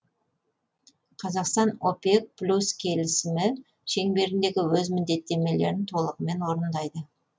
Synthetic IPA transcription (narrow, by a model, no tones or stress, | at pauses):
qʰɑzɑqst̪ɑnopʲek̚plʲuskʲʰe̞lɪsɪmɪ | ʃe̞ŋbe̞ɾɪnd̪e̞ɡʲɪwɵzmɪnd̪e̞t̪ːe̞me̞le̞̰ɾɪnt̪ʰo̞lˠəʁəme̞nwo̞ɾənd̪ɑjd̪ə